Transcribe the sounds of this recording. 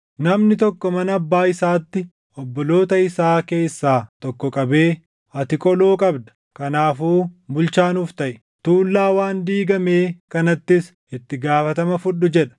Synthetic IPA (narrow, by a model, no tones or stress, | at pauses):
nɐmnɪt̪ɔkːɔmɐnɐɐbːaːɪsaːt̪ːɪ | ɔbːɔlo̞ːt̪ɐɪsaːke̞ːsːaːt̪ɔkːɔkʼɐbe̞ː | ɐt̪ɪkʼɔloːkʼɐbd̪ɐ̥ | kɐnaːfuːbʊlt͡ʃaːnuːft̪ɐʔɛ | t̪uːlːaːwaːnd̪iːɡɐmeːkɐnɐt̪ːɪs | ɪt̪ːɪɡaːfɐt̪ɐmɐfʊɗːʊd͡ʒɛᶑɐ̥